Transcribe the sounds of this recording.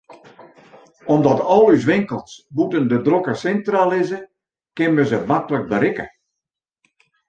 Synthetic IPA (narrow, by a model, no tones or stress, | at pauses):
ɔmdɔtɔlˠys̬ʋɪŋkəlˠsbutəndədrokəsɛntralɪzə | kɪnməzəmaklək̚bəɾɪkə̰